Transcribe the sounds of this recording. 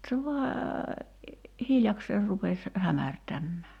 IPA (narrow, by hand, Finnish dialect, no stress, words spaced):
se ʋɑː hiljɑkseːr rupes hæmærtæmːæː